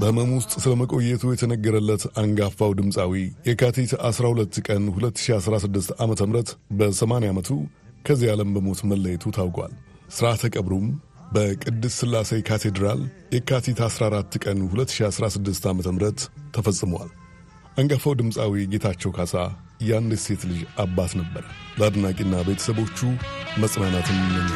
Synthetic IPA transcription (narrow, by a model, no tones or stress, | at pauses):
bəhɨməmwʊst̪ʼsɨləməkʼo̞jːɛt̪ʰujɛt̪ʰənəɡːəɾəlːət̪aŋɡafawd̪ɨmsʼawijɛkʰat̪ʰit̪asɾahulət̪ːkʼənhulət̪ːɨ̥ʃiasɾasɨd̪ːɨst̪amət̪ʰəmɾət̪bəsəmaneamət̪ʰu | kʰəzːijaləmbəmo̞t̪məlːəjɛt̪ʰut̪ʰawkʼwa̰l | sɨɾat̪ʰəkʼəβɾum | bəkʼɨd̪ːɨssɨlːasəjkʰat̪ʰe̞d̪ɾaljɛkʰat̪ʰit̪ʰasɾaaɾat̪ːkʼənhulət̪ːɨ̥ʃiasɾasɨd̪ːɨst̪amət̪ʰəmɨɾət̪ʰːəfəsʼɨməwa̰l | ʔaŋɡəfəwd̪ɨmsʼawiɡe̞t̪ʰat͡ʃːɛwkʰasa | jand̪ɛse̞t̪lɨʒabat̪nəbːəɾəbəad̪nakʼinːabbe̞t̪ʰə̥səβo̞t͡ʃːuməsʼmanat̪jɛmɨmːɨn